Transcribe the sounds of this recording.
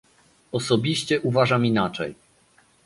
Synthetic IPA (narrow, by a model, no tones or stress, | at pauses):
ɔsɔbʲiɕt͡ɕɛʔuvaʐaminat͡ʂɛ̰j